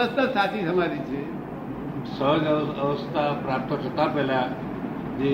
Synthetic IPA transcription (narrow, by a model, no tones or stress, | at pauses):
əst̪əsat̪ʰit̪əmaɾit͡ʃʰe | səɦɡəəʋəst̪ʰapɾap̚t̪ʰəʈʰət̪apɛlja | d͡ʒe